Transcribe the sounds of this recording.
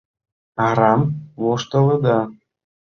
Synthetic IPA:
ɑɾɑmβoʃt̪ə̆lə̆d̪ɑ

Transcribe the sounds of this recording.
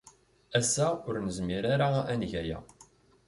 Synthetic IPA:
æsːæʊɾnəzmiɾaɾaænʝæjæ̰

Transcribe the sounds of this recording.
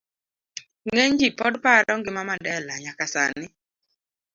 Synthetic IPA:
ŋeɲd͡ʒipɔdpaɾɔŋɡɪmamandɛlaɲakasa̰nɪ

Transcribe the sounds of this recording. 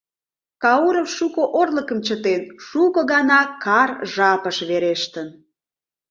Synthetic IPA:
kɑuɾofʃukoʔorləkəmt͡ɕət̪enʃukəɣɑnɑkɑrʒɑpəʃβeɾeʃt̪ən

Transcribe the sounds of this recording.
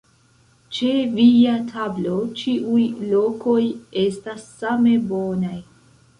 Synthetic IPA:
t͡ʃe̞viatʰablo̞t͡ʃiʔujlo̞ko̞je̞stasːame̞bo̞naj

